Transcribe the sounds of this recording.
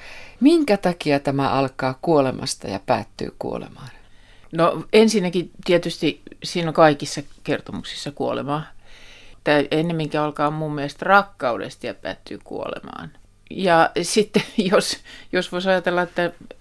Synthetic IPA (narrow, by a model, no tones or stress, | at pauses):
miŋkæt̪ɑkiɑt̪æmæʔɑlkɑːkuolemɑ̰st̪ɑjɑ̰pæ̰ːt̪ːy̰ːkṵo̰lḛmɑːn | noensinːækit̪iet̪yst̪isiːnoŋkɑikisːɑkert̪omuksi̥sːɑkuolḛmɑː | t̪æyenːemːiŋkæɑlkɑːommumːieest̪rɑkːɑudḛst̪ijɑpæ̰ːt̪ːy̰ːkṵo̰lḛmɑ̰ːn | jɑsit̪ːejosjosʋoisɑjɑt̪elːɑet̪ːæ